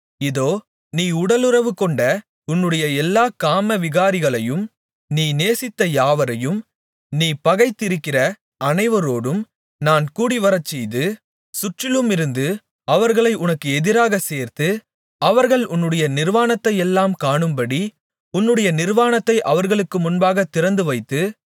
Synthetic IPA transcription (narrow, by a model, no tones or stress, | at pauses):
ɪðoː | niːʊɽɐlɯɾɐʋɯkːɔɳɖɐ | ʊnːɯɽɐjɐɛlːaːkaːmɐʋɪɣaːɾɪɣɐɭɐjɯm | niːneːsɪt̪ːɐjaːʋɐɾɐjɯm | niːpɐɣɐɪt̪ːɪɾɯkːɪrɐ | ʔɐnɐɪʋɐɾoːɽɯm | naːnkuːɽiʋɐɾɐt͡ʃːɛjðɯ | sʊʈrɪlɯmɪɾɯnd̪ɯ | ɐʋɐɾɣɐɭɐɪʔʊnɐkːɯɛðɪɾaːɣɐseːɾt̪ɯ | ɐʋɐɾɣɐɭʊnːɯɽɐjɐnɪɾʋaːnɐt̪ːɐjɛlːaːmkaːɳɯmbɐɽi | ʊnːɯɽɐjɐnɪɾʋaːnɐt̪ːɐɪʔɐʋɐɾɣɐɭɯkːɯmʊnbaːɣɐt̪ːɪɾɐnd̪ɯʋɐɪt̪ːɯ